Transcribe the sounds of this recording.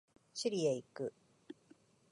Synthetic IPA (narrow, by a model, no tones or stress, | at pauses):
ɕiɾʲieikɯ̟